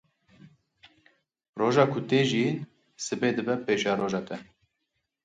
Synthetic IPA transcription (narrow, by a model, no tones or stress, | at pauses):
roːʒɑːkʰʊt̪eːʒin | sɨbeːd̪ɨbɛpeːʃɑːɾoːʒɑːt̪ʰɛ